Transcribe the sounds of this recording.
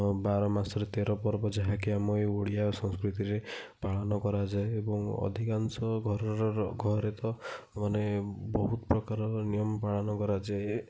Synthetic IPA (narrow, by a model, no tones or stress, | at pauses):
baɾɔmasɔɾet̪eɾɔpɔɾbɔd͡ʒaɦakiamɔjoɽijasɔ̃ŋskɾit̪iɾepaɭɔnɔkɔɾad͡ʒaeːbɔŋɔ̰d̪ʱikansɔɡʱɔɾɔɾɔɡʱɔɾet̪ɔmanebɔɦut̪ɔpɾɔkaɾɔnijɔmpaɭɔnɔkɔɾad͡ʒae